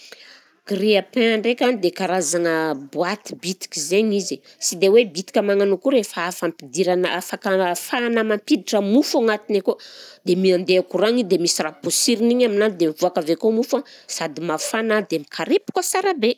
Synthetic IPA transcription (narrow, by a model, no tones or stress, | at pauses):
ɡ̥riapeaɳɖ͡ʐekʲanid̪ekaɾazaŋəbuat̪i̥bit̪i̥kʲizeɲizi | sid̪ewebit̪i̥kʲamaŋanukuɾefaafampid̪iɾanaʔafakəfanəmampid̪iʈ͡ʂəmufaŋat̪inekod̪emiand̪eakuɾaŋid̪emisiraposiɾiniɲaminad̪emivuakavekomufasad̪imafanad̪emikʰaɾepu̥kəsaɾabe